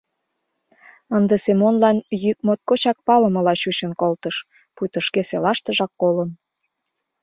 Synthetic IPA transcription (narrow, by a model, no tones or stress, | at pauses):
ənd̪əsemonlɑnjyk̚mot̪̚kot͡ɕɑk̚pɑlə̆mə̆lɑɕut͡ɕənkolt̪əʃ | pujt̪əʃkeselɑʃt̪əʒɑkːolən